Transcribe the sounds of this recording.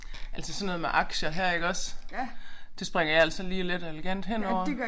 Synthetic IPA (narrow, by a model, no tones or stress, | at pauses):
ʔælsəsɒ̽nːɔ̽ð̩ˠmeʔɑ̈ɡ̥ɕɐɦæɐ̰e̝ɡ̥ɒ̽s | d̥e̝sb̥ʁeŋ̰ɐjɑæl̰sɒ̽liːle̝d̥ɒeleɡ̥æn̰d̥ɦen̰ɒʊ̰ɐ